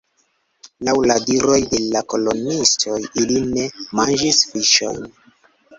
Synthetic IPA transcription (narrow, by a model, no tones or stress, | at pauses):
lawladiɾo̞jde̞lako̞lo̞nistʰo̞jiline̞mand͡ʒisfiʃo̞̰jn